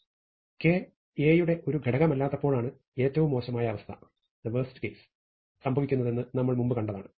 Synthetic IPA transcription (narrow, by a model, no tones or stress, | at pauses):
ke̞ː | eːjuɽe̞ʔo̞ɾuɡʱeɽɐɣɐmɐlːaːt̪ːɐpːo̞ːɭaːɳɨ | e̞ːtːɐʋumːo̞ːɕɐmaːjɐːʋɐst̪ʰɐ̥̰ | d̪ɐʋɐːstɨ̥kejs | sɐmbʱɐʋikʲːunːɐðe̞nːɨnɐmːɐɭmumbɨkɐɳɖɐða̰ːɳɨ